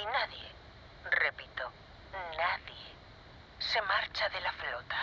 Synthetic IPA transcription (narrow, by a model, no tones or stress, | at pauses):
inaðje | repit̪o | naðje | se̞maɾt͡ʃaðelaflot̪ḁ